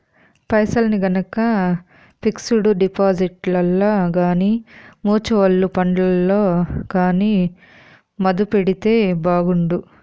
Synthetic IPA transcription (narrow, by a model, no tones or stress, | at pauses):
pɐjsɐlɐniɡɐnɐkɐ | piksuɽuɖipaːd͡ʒiʈlɐlːaːɡaːnimuːt͡ʃuʋɐɭːupɐɳɖlɐlːo̞ːɡaːniː | mɐd̪upeɽit̪e̞ːbaːɡuɳɖu